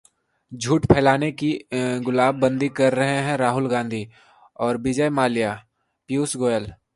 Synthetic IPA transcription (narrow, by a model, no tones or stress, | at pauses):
d͡ʒʱuːʈpʰɛːlaːnekiɡʊlaːbːə̃nd̪ikɐɾːɐɦeɦɛ̃ɾaːɦʊlɡãːnd̪ʱiː | ɔːɾbɪd͡ʒəjmaːlijaː | pjuːsɡoːjəl